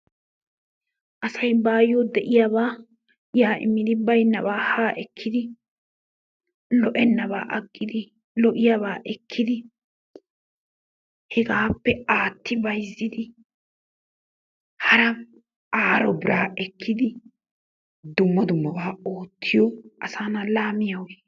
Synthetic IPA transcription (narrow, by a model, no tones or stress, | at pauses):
ʔɐsɐjbaːjod̪ɛʔɪjaβaː | jaːʔɪ̰mːɪd̪ɪbɐjnːɐbaːhaːʔɛkʰːɪd̪ɪ | lɔʔɛnːɐβa̰ːʔɐɡːɪd̪ɪ | lɔʔɪjaβaːʔɛkʰːɪd̪ɪ | hɛɡaːpːɛaːt̪ːɪbɐjzːɪd̪ɪ | hɐɾɐ | ʔaːɾɔbɪɾʔaːʔɛkːɪd̪ɪ | d̪ʊmːɐd̪ʊmːɐbaːo̞ːt̪ʰːɪjɔʔɐsaːnɐlaːmɪjɐwɛ